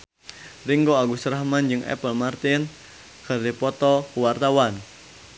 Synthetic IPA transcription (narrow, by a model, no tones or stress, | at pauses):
riŋɡoaɡusəɾahmand͡ʒɨŋɛ̰pəlmart̪ɪn | kərdipɔt̪ɔwart̪awan